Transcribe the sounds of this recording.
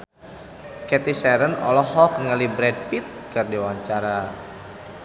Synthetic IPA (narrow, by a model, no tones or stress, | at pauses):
kɛt̪isɛɾənɔ̰lɔɦɔkəŋəlibɾɛd̚pit̪̚kərdiwaɲt͡ʃaɾa